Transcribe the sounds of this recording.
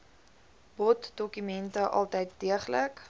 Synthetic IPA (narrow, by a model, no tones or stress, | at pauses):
bɔtdɔkymɛntəʔɑ̰lˠtɛjt̚diəχlək